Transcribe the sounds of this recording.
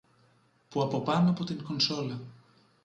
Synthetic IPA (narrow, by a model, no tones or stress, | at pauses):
puɐpo̞pɐnoɐpo̞t̪iŋko̞nso̞lɐ